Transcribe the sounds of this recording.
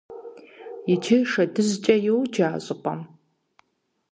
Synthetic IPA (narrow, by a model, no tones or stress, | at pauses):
jɪtʰɪʂɐdɨzt͡ʃʼɐjowd͡ʒaːɕʼɨqʷʼɐ̰m